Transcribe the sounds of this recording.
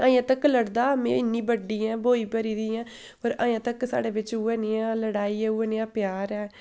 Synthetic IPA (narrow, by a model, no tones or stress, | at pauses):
ãːjãːt̪əkləɽd̪aːmḛ̃ːɪnːĩːbəɖiːɛ̃ːboːiːpəɾiːd̪iːãː | pəɾã̰ːjãːt̪əksa̰ːɽeːʋɪt͡ʃuːɛːneːãːləɽaːiːɛːuːɛːneːãːpjaːɾɛː